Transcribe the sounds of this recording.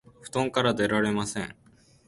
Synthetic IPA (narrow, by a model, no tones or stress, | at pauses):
ɸɯ̟̥t̪õ̞ŋkaɾad̪e̞ɾaɾe̞masẽ̞ɴ